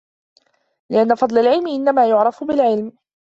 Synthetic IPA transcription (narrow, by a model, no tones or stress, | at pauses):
lɪʔanːafɑd̪ˤlalʕɪlmɪʔɪnːamaːjʊʕɾˤɑfbɪlʕɪlm